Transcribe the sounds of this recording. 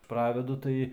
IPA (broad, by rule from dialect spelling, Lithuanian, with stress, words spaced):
ˈprɑːʋʲɛdʊ ˈtɐɪ